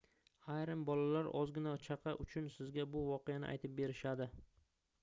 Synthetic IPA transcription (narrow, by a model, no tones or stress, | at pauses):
ajɾɪmbɒlalaɾɒzɡʲɪnat͡ʃʰaqʰɑʔʊt͡ʃʰʊnsɪzɡʲabʊvɒqɨjanɪ̰a̰jt̪ʰɪp̚be̞ɾɪʃad̪ɪ